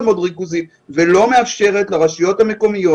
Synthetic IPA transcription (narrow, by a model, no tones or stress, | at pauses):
mo̞dʁikuzim | velo̞me̞afʃe̞ʁe̞tleʁaʃijo̞thame̞ko̞mijo̞